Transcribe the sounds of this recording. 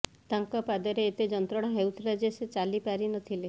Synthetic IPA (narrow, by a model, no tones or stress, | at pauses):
t̪aŋkɔpad̪ɔɾeːt̪ed͡ʒɔnt̪ɾɔɽ̃ɔɦewt̪ʰɾad͡ʒeset͡ʃalipaɾinɔt̪ʰile